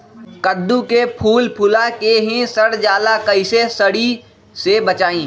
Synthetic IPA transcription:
kəd̪ːũkepʰuːlpʰʊlakeɦẽsɐɽd͡ʒaːlakɐisesəɽi | sebət͡ʃaːĩː

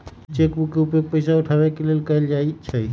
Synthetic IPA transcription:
t͡ʃekbukːeupəpəjsauʈʰabɛkelelkəjld͡ʒait͡ʃʰə

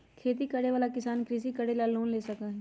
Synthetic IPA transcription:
kʰeːt̪̬ikɐɽeʋaːlakɪsaːnkɾɪs̬ikəɽelaloːnleːsɐkaɦɛ

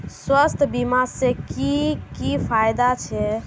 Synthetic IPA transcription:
swəst̪ʰbimasẽkikipʰajd̪at͡ʃʰɛ

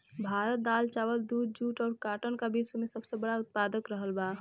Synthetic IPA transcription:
bʱaːɾət̪̚d̪aːlt͡ʃaːwəld̪uːd̪̚d͡ʒuːʈɔːɾkaːʈənkabʱiswemesəbsebəɽaʊt̪̚pad̪əkɾəɦəlba

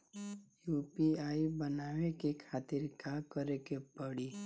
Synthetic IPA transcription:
jupiaːibənaːwekekʰaːt̪ɪɾkakəɾekepəɽi

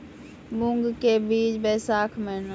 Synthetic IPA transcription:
buŋɡkebiːd͡ʒbɛːsaːkʰmeːn

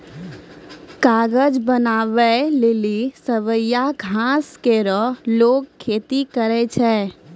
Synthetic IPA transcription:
kaːɡəd͡ʒbənaːʋelɪlisəʋəjaɡʱãːskeɾəloːɡ̚kʰːeːt̪ikəɾɛt͡ʃʰɛː

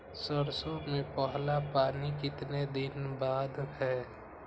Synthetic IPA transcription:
səɾsomẽpəɦlapaːnikɪt̪ned̪ɪnbaːd̪hɛ

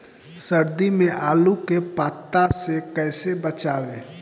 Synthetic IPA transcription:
səɾd̪imẽʔaːlukepaːt̪ːasekɛːsebət͡ʃaːʋeː

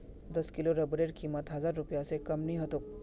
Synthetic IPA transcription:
d̪ɐskɪloɾɐbɾeːɾkiːmət̪ɦɐzaːɾːʊpjasekɐmnĩɦɐt̪ok̚

